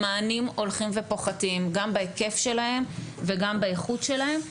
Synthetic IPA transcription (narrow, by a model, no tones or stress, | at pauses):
aːnimo̞lχimve̞po̞χatimɡambaeke̞fʃe̞lahe̞mveɡambaeχutʃe̞lahe̞m